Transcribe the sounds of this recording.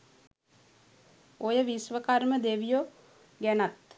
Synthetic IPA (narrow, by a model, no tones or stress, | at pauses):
ojəʋisʋəkarməd̪eʋijo | ɡænat̪